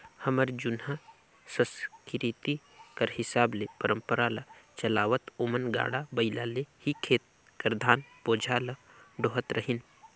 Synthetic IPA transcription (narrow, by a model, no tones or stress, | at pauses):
hɐməɾd͡ʒunɦa | səskɪɾiːt̪i | kɐɾhɪsaːblepəɾəmpəɾaːlɐt͡ʃɐlaːʋət̪omənɡa̰ːɽabɐɪlaːlehikʰeːt̪̚ | kəɾd̪ʱaːnpoːd͡ʒʱaːlɐ | ɖoːɦət̪ɾɐɦin